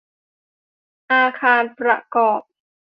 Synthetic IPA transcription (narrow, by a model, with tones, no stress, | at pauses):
ʔaː˧kʰaː˧npɾa̰˧kɔː˨˩p̚